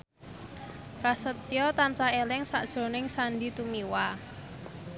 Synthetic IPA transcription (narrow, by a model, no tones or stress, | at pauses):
prasət̪ijɔt̪ansaelɪŋsaʔd̥ʒ̥ɾo̤nɪŋsanɖit̪umiwa